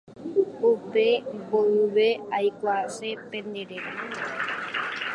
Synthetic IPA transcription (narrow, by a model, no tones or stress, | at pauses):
upeboɨβeajkʷasepẽnd̪eɾeɾa